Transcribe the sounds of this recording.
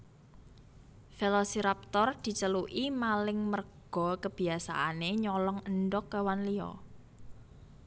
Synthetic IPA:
felɔsiɾap̚t̪ɔrd̪̥i̤t͡ʃəluʔimalɪŋmərɡ̥ɔ̤kəb̥i̤asa̰ʔaneɲɔlɔŋənɖɔkːəwanliɔ̰

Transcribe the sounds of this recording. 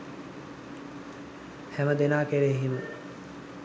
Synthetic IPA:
hɛməd̪enaːkeɾeɦimə

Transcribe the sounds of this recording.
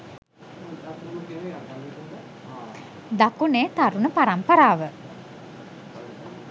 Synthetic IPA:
d̪akuneːt̪aɾunəpaɾampəɾaːʋə

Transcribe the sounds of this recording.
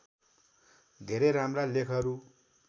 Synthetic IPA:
d̪ʱeɾeɾamralekʰʌɾu

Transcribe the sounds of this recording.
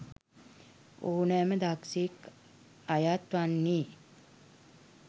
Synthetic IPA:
oːnɛːməd̪aksik | ajat̪ʋanːiː

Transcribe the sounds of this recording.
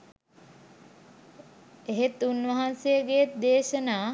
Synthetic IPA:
eɦet̪unʋɐɦansejəɡejet̪̚d̪eːʃənaː

